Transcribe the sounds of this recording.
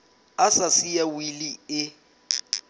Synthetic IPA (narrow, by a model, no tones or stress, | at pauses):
asasijawiliɪ